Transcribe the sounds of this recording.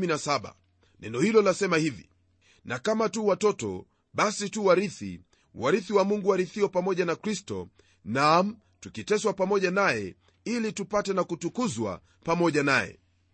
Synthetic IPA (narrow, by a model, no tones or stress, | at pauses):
minasaɓa̰ | nɛnɔhilɔlasɛmahivi | nakamatuwatɔtɔ̰ | ɓasituwaɾiθḭ | waɾiθiwamuŋɡuwaɾiθiɔpamɔʄanakɾistɔ̰ | nam̩ | tukitɛswapamɔʄanajɛ̰ | ilitupatɛnakutukuzwa̰ | pamɔʄanajɛ̰